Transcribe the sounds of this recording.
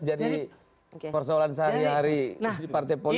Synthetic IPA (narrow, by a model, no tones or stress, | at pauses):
d͡ʒadi | pərsɔɔlansəɦaɾiɦaɾid͡ʒipart̪ɛpoli